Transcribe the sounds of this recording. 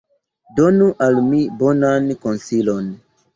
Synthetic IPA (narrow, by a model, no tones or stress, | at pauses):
donuʔalmibo̞nankonsilo̞n